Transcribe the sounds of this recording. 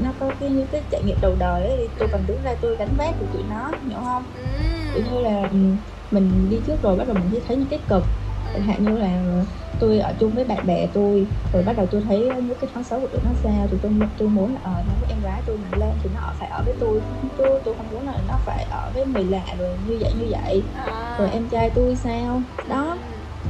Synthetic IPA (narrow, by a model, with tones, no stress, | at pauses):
nɔ˨˦kɔ˨˦ki˧˦ɲɨ̰˧˥ŋkaː˨˦jt͡ɕa̰ː˧˨jŋḭ˧˨əmɗə˨˩wɗəː˨˩jʔə˨˦jt̪ʰi˨˩t̪u˧jkɔ˨˩nt̪ɨ˨˦ŋzaː˧t̪u˧jɣa˨˦ŋ̟vaː˦˥p̚kʰu˨˩t̪ṵ˧˨nɔ˨˦ɲḭ˧˩əwhə˧wŋ͡m | t̪ḭ˧˩˨ɲɨ˧laː˨˩ʔɨ˨˩ | mï˨˩ŋ̟ɗi˧t͡ɕɨ˦˥ək̚zo˨˩jɓa˦˥t̚ɗə˨˩wmi̟˨˩t͡ɕʰsɛ˧˦t̪ʰə˨˦jɲɨ̰˧˥ŋk̪i˦˥kɨ˨˩k̚ɦa̰ː˧˨wɲɨ˧laː˨˩˨ | t̪u˧jʔəː˧˩t͡ɕʊ˧ŋ͡mvəː˨˦jɓa̰ː˧˨nɓɛ˧˩t̪u˧jzo˨˩jɓa˦˥ɗə˨˩wt̪u˧jt̪ʰə˨˦jɲɨ̰˧˦˥kaː˨˦fɔː˨˦sə˨˦wku˧˩ɗɨ̰˨˩k̚nɔ˨˦saː˧wt̪ʰi˨˩t̪u˧jt̪u˧jmu˨˦ənlaː˨˩ʔəː˨˩a˧˩ŋkuː˨˦ʔɛ˧mɣaː˨˦jt̪u˧jma˨˩nle˧nt̪ʰi˨˩nɔ˨˦ʔəː˧˩faː˧˩jʔəː˧˩vəː˨˦jt̪u˧jt̪u˧jt̪u˧jhə˨˩wŋ͡mmu˨˦ənlaː˨˩t̪ʰi˨˩nɔ˨˦faː˧˩jʔəː˧˩vəː˨˦jmi˨˩la̰ː˧˨zo˨˩jɲɨ˧və̰˧˨jɲɨ˧və̰˧˨jzo˨˩jʔɛ˧mt͡ɕaː˧jt̪u˧jsaː˧wɗɔ˨˦